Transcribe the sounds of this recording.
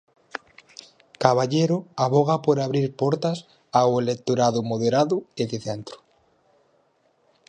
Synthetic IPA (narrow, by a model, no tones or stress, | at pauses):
kaβ̞aʎeɾoaβoɣ̞apoɾaβɾiɾpoɾt̪as | awelek̚t̪oɾaðʊmoðeɾaðueβiθent̪ɾu̥